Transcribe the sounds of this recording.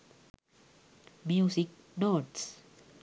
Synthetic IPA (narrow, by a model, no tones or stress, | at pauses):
mjusik̚ | nots